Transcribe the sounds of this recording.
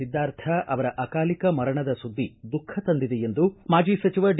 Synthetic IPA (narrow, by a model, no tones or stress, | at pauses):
id̪ːaːɾt̪ʰɐʔɐʋɐɾɐʔɐkaːlikɐmɐɾɐɳɐd̪ɐsud̪ːid̪ukʰːɐt̪ɐnd̪id̪ejend̪umaːd͡ʒiːsɐt͡ʃiʋɐɖ